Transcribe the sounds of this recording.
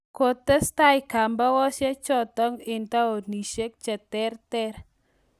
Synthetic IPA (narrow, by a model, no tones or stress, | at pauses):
kot̪əst̪aiɡ̥ambawɔset͡ʃɔt̪ɔŋint̪aoniʃek̚t͡ʃət̪ɛrt̪ɛr